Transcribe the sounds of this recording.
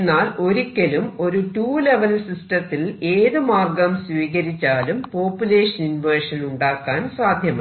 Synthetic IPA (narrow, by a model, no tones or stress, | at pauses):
nːaːlo̞ɾukʲːelumo̞ɾuʈuːle̞ʋɐlsisʈɐt̪ːileːðɨmaːrɡɐmsʋiːɣɐɾit͡ɕːaːlumpo̞ːpːjule̞ːʂɐnunʋeːʂɐluɳɖaːkːaːnsaːd̪ʱjɐmɐ